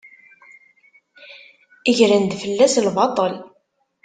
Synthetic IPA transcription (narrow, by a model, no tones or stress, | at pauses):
iʝɾənd̪fəlːæslbɑt̪ˤəl